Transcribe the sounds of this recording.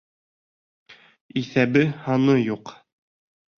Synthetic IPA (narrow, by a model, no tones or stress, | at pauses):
iθæbɘhɑnɤjuq